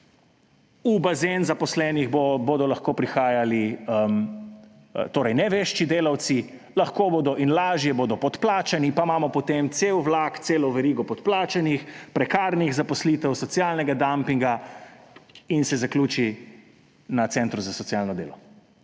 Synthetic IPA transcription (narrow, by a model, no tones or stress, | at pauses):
ubazenzapɔslɛːniɣboboːd̪ɔlaxkoːpɾixaːjaliəm | t̪oːɾɐjnɛʋeːʃt͡ʃid̪eːlawt̪si | laxkoːboːd̪ɔʔinlaːʒjɛboːd̪ɔpɔt̪plaːt͡ʃanipamaːmɔpɔt̪emt̪seːwʋlakt̪seːlɔʋɛɾiːɡɔpɔt̪plaːt͡ʃanixpɾɛkaːɾniɣzapɔsliːt̪ɛwsɔt̪sijalnɛɡad̪ampiŋɡa | insɛzaklʲuːt͡ʃi | nat̪sɛnt̪ɾuzasɔsijalnɔd̪ḛːlɔ